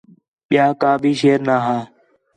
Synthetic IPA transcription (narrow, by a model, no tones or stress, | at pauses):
ɓɪjaːkaːbʱiːʃeːɾnaːɦaː